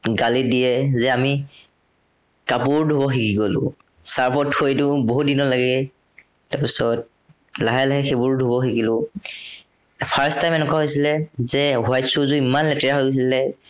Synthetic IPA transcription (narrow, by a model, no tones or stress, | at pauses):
ɡalidiɛzɛami | kapuɹdʱubɔxikiɡɔlʊ̰̃ | saɹpʰɔtxojdʊboɦut̚dinɔlaɡɛ | taɹpisɔt̚ | laɦalaɦɛxebʊɹdʱubɔxikilʊ̃ | pʰaɹstaj̃mɛnɛkwaɦojsilɛzɛɦuajsʊzʊimanlɛtɛɹaɦojɡos̬ilɛ